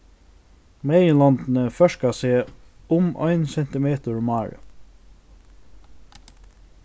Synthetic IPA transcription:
meːjəlɑnd̪n̩əfœʃkaseː | ʊmʔœ̰ʏnsɛnt̪ɪmeːt̪əɹmɑːɹə̰

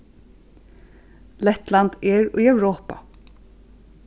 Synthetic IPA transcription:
lɛt̪lant̪ɛːɹʏːœwɹoːpa̰

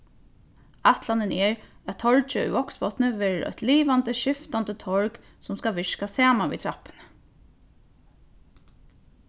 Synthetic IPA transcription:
at̪lanənɛɹæt̪ʰɔɹt͡ʃəʏ̰ɔksbɔt̪nəʋɛːɹɾʔɔ̰t̪liːʋant̪əʃɪft̪ant̪ət̪ʰɔɹk | sʊmskaʋɪʂkasaːmaʋḭt̪ʰɹapə̥nə

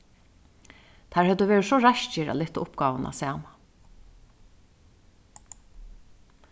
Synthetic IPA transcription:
t̪ʰæːɹhœt̪ːəʋeːɹɪsɔɹaʃt͡ʃɪɾa̰lɪht̪ːaʊpɡɑːʋənʔa̰sæːma

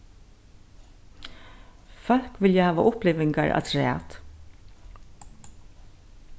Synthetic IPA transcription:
fœl̥kʋɪljəhæːʋa̰ʔʊplɪːʋɪŋkaɹʔa̰t̪ʰɾæ̰ːt̪

